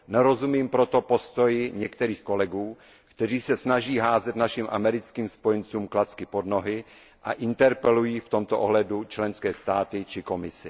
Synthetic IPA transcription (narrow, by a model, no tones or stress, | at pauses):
nɛɾo̞zumiːmpɾot̪o̞po̞st̪o̞jɪɲɛkt̪ɛɾiːxko̞lɛɡuː | kt̪ɛr̝iːsɛsnaʒiːɦaːzɛt̪naʃimʔa̰mɛɾɪt͡skiːmspojɛnt͡suːmklat͡skɪpo̞dnoɦɪ | ʔa̰ʔɪnt̪ɛɾpɛlujiːft̪o̞mt̪oʔoɦlɛdut͡ʃlɛnskɛːst̪aːt̪ɪt͡ʃɪko̞mɪsɪ